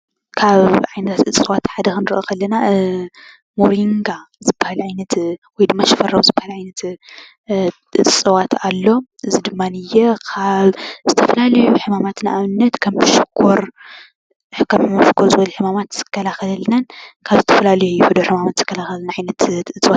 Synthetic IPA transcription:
kʰaβʕajnɐt̪ʰat̪ɨt͡sʼːɨwat̪ħad̪ɐxɨnɨɾʔokʰɐlːɐna | moɾiŋɡazɨbːahaliʕajnɐt̪wɔjd̪ɨmːaʃɪfɐrːɐwuzɨbːahaliʕajnɐt̪ | ʔɨt͡sʼːɨwat̪alːo̞ʔɨzid̪ɨmːanɨjɛkʰaβzɨt̪ʰɐfɐlalɐjuħɨmamat̪ɨnʔaβɨnːɐt̪kʰɐmbɨʃɪkʰːoɾ | ħɨkʰːammɐfɨkʰːoɾzɨβɐluħɨmamat̪z̥ɨ̥kʰːɐlaxɐlɐlnɐnkʰaβzɨt̪ʰɐfɐlalɐjuhɨd̪oħɨmamat̪z̥ɨkʰːɐlaxɐlnaʕajnɐt̪ɨt͡sʼwat̪

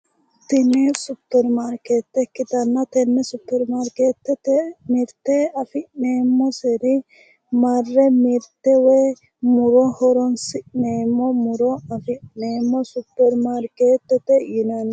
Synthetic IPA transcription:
t̪ɪnɛsʊpːɛɾmaɾkeːt̪ːɛkːɪt̪ɐnːɐt̪ɛnːɛsʊpːɛɾmaɾkeːt̪ːɛt̪ɛmɪɾt̪ːeɐfɪʔneːmːɔsɛɾɪ | mɐrːɛmɪɾt̪ːɛwɛː | mʊɾɔhɔɾɔnsɪʔneːmːɔmʊɾɔɐfɪneːmːɔsʊpːɛɾmaɾkeːt̪ːɛt̪ːɛjɪnɐn

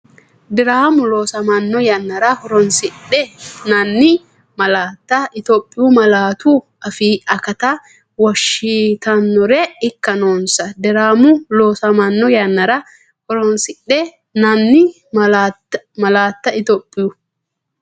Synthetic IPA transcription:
d̪ɪɾaːmʊloːsɐmɐnːɔjɐnːɐɾɐhɔɾɔnsɪɗɛnɐnːɪ | mɐlaːt̪ːɐɪt̪opʼːɪjʊmɐlaːt̪u | ɐfiːɐkɐt̪ɐ | wɔʃit̪ɐnːɔɾɛɪkːɐnoːnsɐd̪ɪɾaːmʊloːsɐmɐnːɔjɐnːɐɾɐ | hɔɾɔnsɪɗːɛ | nɐnːɪ | mɐ | mɐlaːt̪ːɐɪt̪opʼːɪjʊ

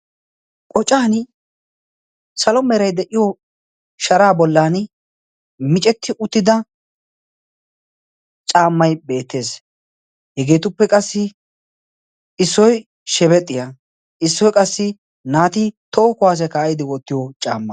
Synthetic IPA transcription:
kʼɔt͡ʃʼːaːn | sɐlɔmɛɾɐjd̪ɛʔɪjɔ | ʃɐɾaːbɔlːaːn | mɪt͡ʃʼɛt̪ʰːɪʔʊt̪ːɪd̪ɐ | t͡ʃʼaːmːɐjbe̞ːt̪ːe̞ːs | hɛɡe̞ːt̪ʊpːɛkʼɐsːɪ | ɪsːɔj | ʃɛβɛt̪ʼːɪja | ʔɪsːɔjkʼɐsːɪ | naːt̪ɪt̪oːkʊwaːs̬ɛkaːjɪd̪ɪwɔt̪ːɪjot͡ʃʼaːmːɐ

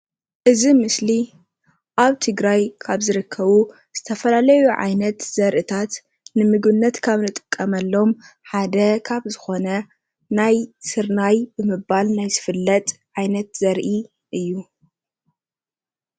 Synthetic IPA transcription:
ʔɨzimɨsli | ʔaβt̪ʰɨɡɾajkʰaβzɨɾɨkʰːɐβu | z̥ɨt̪ʰɐfɐlalɐjuʕa̰jnɐt̪z̥ɐɾʔɨt̪ʰat̪ | nɨmɨɡβɨnːɐt̪kʰaβnɨt̪ʼɨ̥kʼːɐmɐlːo̞mħad̪ɐkʰaβzɨxo̞nɐ | najsɨɾnajbɨmɨβalnajzɨfɨlːɐt̪ʼʕajnɐt̪z̥ɐɾʔi | ʔɨjːu

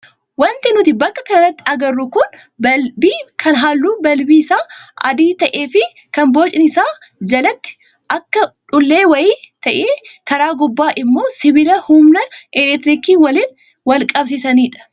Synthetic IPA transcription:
wɐnt̪ɪnʊt̪ɪbɐkːɐkɐnɐt̪ːɪɐɡɐrːʊkʊn | bɐlbiːkʰɐnɦaːlːuːbɐlbiːɪsaːʔɐ̰d̪iːt̪ɐʔe̞ːfɪ | kɐnboːt͡ʃʼɪnɪsaː | d͡ʒɐlɐt̪ːɪ̥ | ʔɐkːɐᶑʊlːeːwɐjiːt̪ɐʔeːkɐɾaːɡʊbːaːʔɪmːo̞ːsɪbɪlɐhʊmnɐʔɛlɛt̪ɾiːkiːwɐliːn | wɐlkʼɐbsɪsɐniːᶑɐ̥

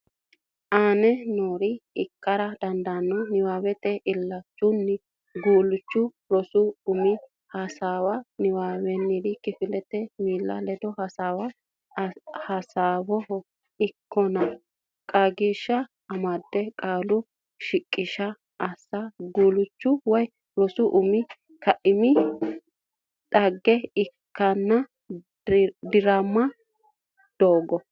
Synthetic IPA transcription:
ʔaːnɛnoːɾɪɪkːɐɾɐd̪ɐnd̪anːɔnɪwaːwɛt̪ɛʔɪlːɐt͡ʃːʊnːɪ | ɡuːlʊt͡ʃːʊ | ɾɔsʊʊmɪ | hɐsaːwɐnɪwaːwɛnːɪd̪ɪkɪfɪlɛt̪ɛmiːlːɐ̰lɛd̪ɔhɐsaːwɐ | hɐsaːwɔhɔ | ɪkːɔnɐ | kʼɐɡiʃːɐː | mɐd̪ːɛkʼaːlʊ | ʃɪkʼːɪʃɐ | ʔɐsːaɡuːlʊt͡ʃːʊwɔj | lɔsʊʔʊmɪ | kɐʔɪmɪ | tʼɐɡːɛɪkːɐnːɐ | d̪ɪɾɐmːɐ | d̪̥oːɡɔ

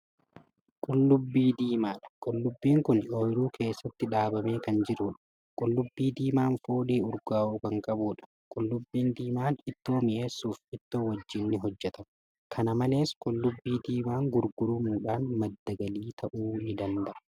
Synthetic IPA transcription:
kʼʊlːʊbːiːd̪iːmaːᶑɐ̥kʼʊlːʊbːiːŋkʊnoːjɪɾuːkʰe̞ːsːɐt̪ːɪᶑaːbɐme̞ːkɐnd͡ʒɪɾuːᶑɐ̥ | kʼʊlːʊbːiːd̪iːmaːnfo̞ːᶑeːʊɾɡaːʔuːkɐŋkʼɐbuːᶑɐ̥ | kʼʊlːʊbːiːnd̪iːmaːnɪt̪ːo̞ːmɪje̞ːsːuːfɪt̪ːo̞ːwɐd͡ʒːɪnːɪɦɔd͡ʒːɛt̪ɐm | kʰɐnɐmɐle̞ːskʼʊlːʊbːiːd̪iːmaːŋɡʊɾɡʊɾʊmuːᶑaːnmɐd̪ːɐɡɐliːt̪ɐʔuːnɪd̪ɐnd̪ɐʔɐ̥

